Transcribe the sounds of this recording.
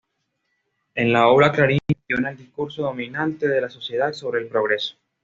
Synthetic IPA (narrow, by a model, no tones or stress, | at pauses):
enlaoβɾaklaɾijonaeld̪ihkuɾso̞ðo̞mĩnant̪e̞ðe̞laso̞sje̞ð̞aðso̞βɾeːlpɾoɣ̞ɾe̞so̥